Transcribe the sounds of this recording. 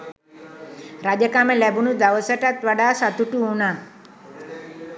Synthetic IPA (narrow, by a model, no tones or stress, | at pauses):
ɾad͡ʒəkaməlæbunud̪aʋəsəʈat̪ʋaɖaːsat̪uʈuːnaː